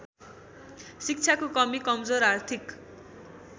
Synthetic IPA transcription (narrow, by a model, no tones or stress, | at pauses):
sik̚t͡sʰakokʌmikʌmd͡zoɾart̪ʰik